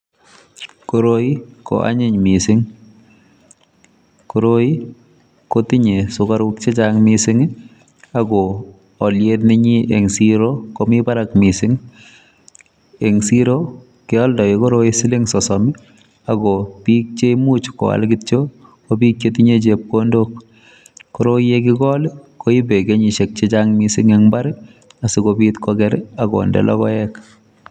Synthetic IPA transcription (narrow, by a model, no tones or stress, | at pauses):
koɾoikɔ̰ʔa̰ɲɪɲmisɪŋ | koɾoi | kotiɲesʊkaɾukt͡ʃet͡ʃaŋmisɪŋ | aɡɔː | ljet̬nɪɲiʔeŋsiɾokomipaɾakmisɪŋ | eŋsiɾo | keɔldɔikɔɾoisiliŋsɔsɔmi | aɡopik̚t͡ʃeimut͡ʃkɔ̰a̰lɡitt͡ʃokobik̚t͡ʃetiɲet͡ʃep̚kondok̚ | kɔɾojekiɡɔlkoibeɡeɲiʃek̚t͡ʃet͡ʃaŋmisiŋeŋbaɾ | asikobitkɔɡɛɾaɡɔ̰ndɛ̰lʔɔ̰kɔjɛk